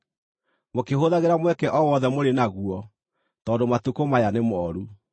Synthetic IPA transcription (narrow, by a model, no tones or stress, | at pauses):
mokeɦoðaɣeɾamwɛkɛʔɔwɔðɛmoɾenaɣuɔ | tɔːndomatukomajanemɔɾu